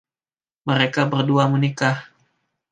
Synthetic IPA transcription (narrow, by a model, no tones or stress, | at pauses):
məɾekabərduamənikah